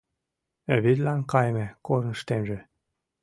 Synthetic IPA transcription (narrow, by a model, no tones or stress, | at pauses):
øβid̪lænkɑjmekoɾnʃt̪emʒe